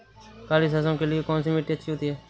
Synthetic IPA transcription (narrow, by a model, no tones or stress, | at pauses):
kaːliːsasõːkelɪeːkõːnsiːmiːʈːiːətːʃʰiːɦʊt̪iːɦɛː